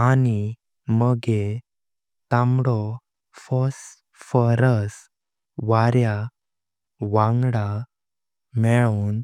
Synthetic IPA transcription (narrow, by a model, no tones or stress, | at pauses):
ani | məɡe | t̪ãmɽɔ | fɔs | fəɾəs | ʋaɾja | ʋãŋɡɽa | mɛɭon